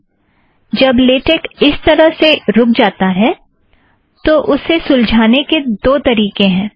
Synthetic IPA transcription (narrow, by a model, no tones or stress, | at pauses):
d͡ʒɐbleːʈekɪst̪ɐɾəɦseɾʊk̚d͡ʒaːt̪aɦɛː | t̪oʔʊsːesʊ̃ld͡ʒʱaːneked̪oːt̪ɐɾiːkẽɦɛ̃ː